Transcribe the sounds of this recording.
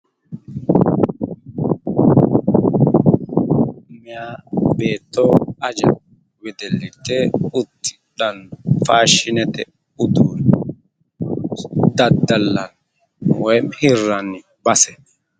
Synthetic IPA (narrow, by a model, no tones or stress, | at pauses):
mɪjaːbe̞ːt̪ːoɐd͡ʒɐ | wɛd̪ɛlːɪt̪ːɛʊt̪ːɪ̥ | ɗɐnfaːʃɪnɛt̪ɛ | ʊd̪un | d̪ɐd̪ːɐlːɐn | wɔjmhɪrːɐnːɪ | bɐsɛ̥